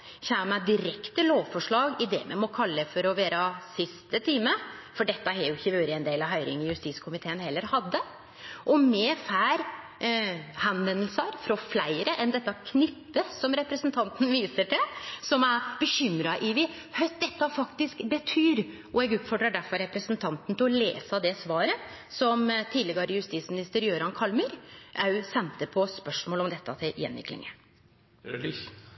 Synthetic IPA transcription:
çæːmæd̪ɪɾɛkt̪əloːʋfɔʂɭɑːɡɪd̪ɛmɛ̰mɔkʰɑlːəfɔɾɔʋeːɾɑsɪst̪ət̪ʰiːməfɔɖɛt̪ːəhæɾjʊɪçːəʋʉːɾɪɛnd̪eːlɑʋɦɑʏɾɪ̰ŋɪjʉst̪iːt̪skʰʊmɪt̪ʰeːənhɛlːəɾhɑd̪ːə | ʔɔmɛfæːɾ | hɑnʋɛnːəlsəɾfɾɔflæɪɾəʔɛnd̪ɛt̪ːɑkʰnʏpːəsɔmɾɛpɾəsənt̪ʰɑnt̪n̩ʋiːsəʈɪlsɔmæbəɕʏmɾɑʔɪʋɪ | hœt̪̚d̪ɛt̪ːɑfɑkt̪ɪskbət̪ʰyːɾ | ʔɔɛɡʉːt̪fɔɖɾɑɖæɾfɔɾɾɛpɾəsnt̪ʰɑnt̪n̩t̪ʰɪlɔlḛːsɑd̪ɛsʋɑːɾəsɔmt̪ʰiːd̪ɛɡɑɾɪjʉst̪iːt̪smɪnɪst̪əɾjøːɾɑnkʰɑlməɾʔɑʉsɛnt̪əpʰɔspœʂmoːlɔmd̪ɛt̪ːɑt̪ʰɪljɛ̰nʋɪ̰klɪ̰ŋə̰

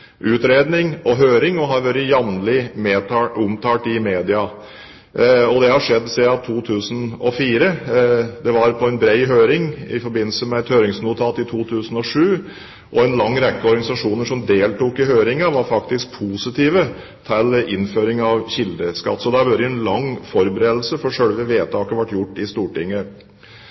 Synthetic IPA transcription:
ʔʉːt̪ɾeːd̪nɪŋɔɦøːɾɪŋɔɦɑɾʋøɾəjɑʋnlɪmeːt̪ːʊmt̪ʰɑːʈɪmeːd̪ɪɑ | ɔd̪ɛhɑʂɛd̪ːsɛːɑt̪ʰuːt̪ʰʉːsn̩ɔfiːɾəd̪ɛʋɑɾpʰɔɛnbɾeɪɦøːɾɪŋɪ̰fɔɾbɪnːl̩səmɛɛt̪høːɾɪŋsnuːt̪ʰɑːt̪ɪt̪ʰuːt̪ʰʉːsən̩ɔʂʉː | ʔɔɛnlɑŋːɾɛkːəɔɾɡɑnɪsɑʂuːnəʂɔmd̪eːlt̪uːkɪɦøːɾɪŋəʋɑɾfɑkt̪ɪsk̚pʰuːsɪt̪ʰiːʋə | t̪ʰælɪnːføːɾɪŋɑʋçɪld̪əskɑ̰t̪ːsɔd̪ɛæbøɾəɛnlɑŋːfɔɾbəɾeːd̪l̩səfɔʂœɽʋəʋeːt̪ʰɑːkəʋæʈːjʊʈːɪst̪uːʈɪŋːə

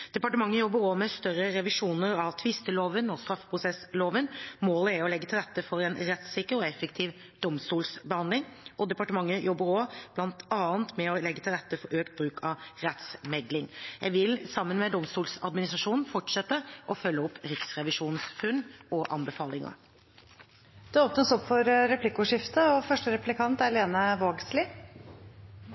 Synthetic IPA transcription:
d̪̥ɛpɑʈəmɑŋːəjɔbːəɾɔmɛst̪œɾəɾɛʋɪʂuːnəɾɑʋt̪ʰʋɪst̪əloːʋənɔst̪ɾɑfpʰɾʊsɛsloːʋənmoːləæɾɔlɛɡːət̪ʰɪlɾɛt̪ːəfɔɾɛnɾɛt̪sɪkːəɾɔɛfːəkt̪ʰiːʋ | d̪̥ɔmst̪uːlsbəhɑnd̪lɪŋʔɔd̪ɛpɑʈəmɑŋːəjɔbːəɾɔb̥lɑnt̪ʰɑːənt̪mɛɔlɛɡːət̪ʰɪlɾɛt̪ːəfɔɾøːkt̪̚bɾʉːkʰɑʋɾɛt̪smɛd̪lɪŋjæɪʋɪlsɑmːənmɛd̪ɔmst̪uːlsɑd̪mɪnɪst̪ɾɑʂuːnnfɔʈʂɛt̪ːəʔɔfœlːəɔpːɾɪksɾɛʋɪʂuːnsfʉnʔɔʔɑ̰nbəfɑːlɪŋɑ̰ | d̪̥ʉɔːpnəsɔpfɔɾɾɛplɪkːʊʂɪft̪əɔfœʂʈəɾɛplɪkʰɑnt̪æɾleːnəʋoːɡslɪː

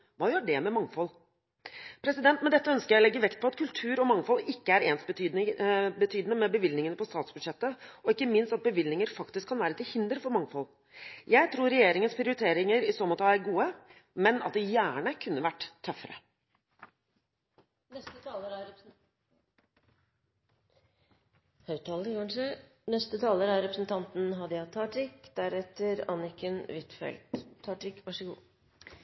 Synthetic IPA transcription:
ʋɑːjøːɖɛmɛmɑŋfɔlː | pʰɾɛsɪd̪ɛnt̪mɛd̪ɛt̪ːəœnskəɾjæɪlɛɡːəʋɛkt̪̚pʰɔɑt̪kʰʉlt̪ʰʉːɾɔmɑŋfɔlːɪkːəæɾeːns | bət̪ʰyːd̪ənəmɛbəʋɪlnɪŋənəpʰɔst̪ɑːt̪sbʉd̪ʂɛt̪ːəɔɪkːəmɪnst̪ɑt̪̚bəʋɪlnɪŋəɾfɑkt̪ɪskʰːɑnʋæːɾət̪ʰɪlhɪnd̪ɾəfɔɾmɑŋfɔlː | jæɪt̪ʰɾuːɾɛjeːɾɪŋənspʰɾɪʊɾɪt̪ʰeːɾɪŋəɾɪsoːmɔt̪ʰɑːæɾɡuːə | mɛnɑt̪̚d̪ɛjæːɳəkʰʉnːəʋæʈːt̪ʰːœfːəɾə̰ | nɛst̪ət̪ʰɑːləɾɑ | hœʉt̪ʰɑːld̪əɡɑnʂə | nɛst̪ət̪ʰɑːləɾɑɾɛpɾəsn̩t̪ʰɑnt̪n̩ɦɑd̪əjæt̪ʰːɑːʈɾɪkd̪̥æɾɛt̪əɾɑ̰nɪkənʋɪt̪fɛ̰ld̪̥ʰːɑːʈɾɪkʋɑʂəɡṵː

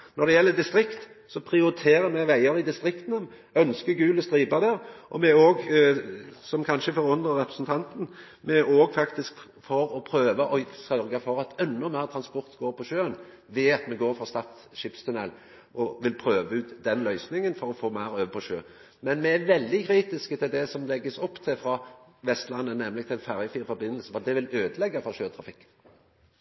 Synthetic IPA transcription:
nɔɾd̪ɛjɛlːəd̪ɪst̪ɾɪkt̪ | sɔpʰɾɪʊɾɪt̪ʰeːɾəɾmɛʋæɪəɾɪd̪ɪst̪ɾɪkt̪nə | œnskəɡʉːləst̪ɾiːbəd̪æɾʔɔmɛoːɡ | sɔmkʰɑnʃəfɔɾʊnd̪əɾɛpɾəsnt̪ʰɑnt̪n̩ | mɛʔoːɡfɑkt̪ɪsk | fɔɾɔpʰɾøːʋəʔɔsœɾɡɑfɔɾɑt̪ɛnːɔmæɪʁt̪ʰɾɑnspɔɾt̪ɡoːɾpʰɔʃøːn | ʋɛɑt̪mɛɡoːɾfɔst̪ɑt̪ | ʃɪpst̪ʰʉnɛl | ʔɔʋɪlpʰɾøːʋəʉːt̪d̪ɛnlœʏsnɪŋənfɔɾɔfoːmæɪɾøːʋpʰɔʃøː | mɛnmɛæʋɛld̪ɪkʰɾiːt̪ɪskət̪ʰɪld̪ɛsɔmlɛɡːəsɔpːt̪ʰɪfɾɑʋɛst̪lɑnːənɛmlɪɡ̚t̪ʰlæɪnfæʁjəfiːɾfɔɾbɪnːəlsəfɔd̪ɛʋɪløːd̪əlɛɡːɑfɔʃøːt̪ʰɾɑfɪkː

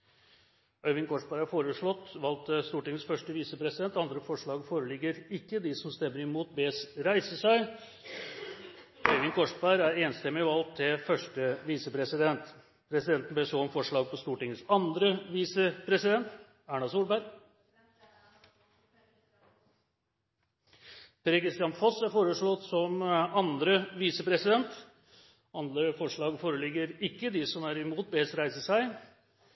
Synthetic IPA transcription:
œʏʋɪŋkʰɔʂbæɾhæɾfoːɾəʂɭɔt̪ːʋɑlt̪ʰːəst̪uːʈɪŋːəsfœʂʈəʋiːsəpʰɾɛsɪd̪ɛnt̪ɑnd̪ɾəfɔʂɭɑːɡfoːɾəlɪɡːəɾɪkːəd̪ɪsɔmst̪ɛmːəɾɪmuːt̪̚beːsɾæɪsəsæɪ | œʏʋɪŋkʰɔʂbæɾæɾeːnst̪ɛmːɪʋɑlt̪ʰːɪlfœʂʈəʋiːsəpʰɾɛsɪd̪ɛnt̪ | pʰɾɛsɪd̪ɛnt̪n̩besoːmfɔʂɭɑːɡ̚pʰɔst̪uːʈɪŋːəsɑnd̪ɾəʋiːsəpʰɾɛsɪd̪ɛnt̪ | æːɳɑsuːlbæɾɡ | pʰɾekʰɾɪst̪ɪɑnfɔsæɾfoːɾəʂɭɔt̪sɔmɑnd̪ɾəʋiːsəpʰɾɛsɪd̪ɛnt̪ | ɑnd̪əfɔʂɭɑːɡfoːɾəlɪɡəɾɪkːəd̪ɪsɔmæɾɪmuːt̪̚bɛsɾæɪsəsæɪ

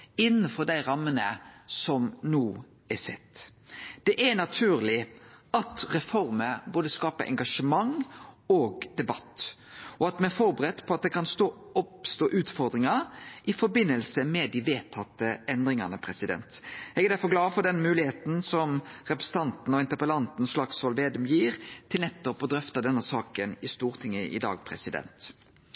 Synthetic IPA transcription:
ɪnːənfɔɾd̪æɪɾɑmːənəsɔmnuː | ɛsɛt̪ːd̪̥ɛʔænɑt̪ʰʉːɾlɪɑt̪ɾɛfɔɾməboːd̪əskɑːpəʔɛ̰ŋɡɑʂəmɑŋoːɡd̪ɛbɑt̪ː | ɔɑt̪mɛnɛfɔɾbəɾɛt̪ːpʰɔɑt̪̚d̪ɛkʰɑnst̪oː | ɔpst̪oːʔʉːt̪fɔɾd̪ɾɪŋɑɾʔɪfɔbɪnːəlsəmɛd̪iʋeːt̪ʰːɑt̪ːəɛnd̪ɾɪŋɑnəpʰɾɛsɪd̪ɛ̰nt̪ɛɡɛɾd̪æɾfɔɡlɑːfɔɾd̪ɛnmʉːlɪheːt̪n̩sɔmɾɛpɾɛsə̥t̪ʰɑnt̪n̩ɔɪnt̪əpəlɑnt̪n̩sʂlɑkshɔlʋeːd̪ʊmjiːɾt̪ʰɪlnɛt̪ːɔpɔd̪ɾœft̪ɑd̪ɛnːəsɑːkənɪst̪uːɾt̪ʰɪŋːəʔɪ̰d̪ɑ̰ːɡ̚pʰɾɛ̰sɪd̪ɛ̰nt̪

